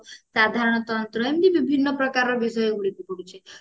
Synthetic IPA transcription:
sad̪ʱaɾɔɽ̃ɔt̪ɔnt̪ɾɔemt̪ibibʱinːɔpɾɔkaɾɔbisɔjɡuɽipukɔɽut͡ʃʰe

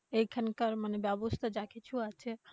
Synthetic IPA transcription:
ekʰənkəɾmənebjabust̪əd͡ʒakʰit͡ʃʰuat͡ʃʰe

